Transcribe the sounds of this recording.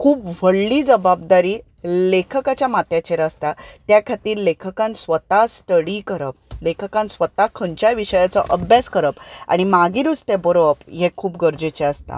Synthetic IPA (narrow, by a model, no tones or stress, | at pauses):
kʰuːpʋ̤əɽliːd͡zəbab̚d̪aɾiː | lekʰəkat͡ɕjamat̪jat͡ɕeɾəst̪at̪jakʰat̪iːɾlekʰəkãnsʋət̪ast̪əɽikəɾəp̚lekʰəkãnsʋət̪akʰəɲt͡ɕaʋiɕəjat͡sɔʔəbʱjaskəɾəpa̰ɽ̃imaɡĩɾust̪ebəɾoəpɦɛkʰuːpɡəɾd͡ʑet͡ɕɛəst̪a̰